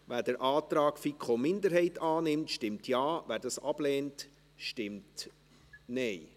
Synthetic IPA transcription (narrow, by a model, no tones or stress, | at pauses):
ʋæːd̥əɾʔɑːtɾɑːkfikχomɪndəɾɦɛɪtɑːnɪmtʃtɪmtʰjɑːʋæːɾdɑsɑb̥leːnt | ʃtɪmt | nɛɪ